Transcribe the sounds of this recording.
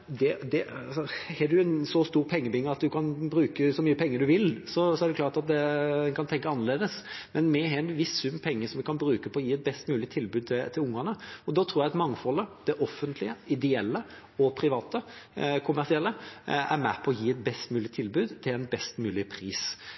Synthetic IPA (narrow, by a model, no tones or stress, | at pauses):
d̪ɛd̪ɛɑ̰sɔhɛd̪ʉɛnsɔst̪uːʁpʰɛŋːəbɪŋːəɑt̪d̪ʉkʰɑnbɾʉːkəsɔmyːəpʰɛŋːəd̪ʉʋɪlsɔsɔæɖɛklɑːʈɑt̪̚d̪ɛɛnkʰɑnt̪ʰɛŋkəɑnːəleːd̪əsmɛnmɛɦɛɛnʋɪssʉmːpʰɛŋːəsɔmʋɪkɑnbɾʉːkəpʰɔɔjiːɛt̪̚bɛst̪mʉːlɪt̪ʰɪlbʉːd̪̚t̪ʰɪlt̪ʰɪlʊŋːɑnəɔd̪ɑːt̪ʰɾuːjɛɑt̪mɑŋːfɔlːəd̪̥ɛʔɔfːənt̪ʰlɪəɪd̪ɛɛlːə | ɔpʰɾɪʋɑːt̪əkʰʊmːæɾsɪɛlːəæ̰ɾmæ̰pʰɔːɔjiːɛt̪̚bɛst̪mʉːlɪt̪ʰɪlbʉːd̪t̪ʰɪlɛnbɛst̪mʉːlɪpʰɾiːs